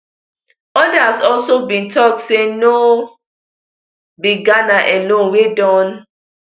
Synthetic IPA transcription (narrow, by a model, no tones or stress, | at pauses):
ɔdasɔlsobĩntɔk̚seno | biɡanaʔɛlõnwedɔ̃n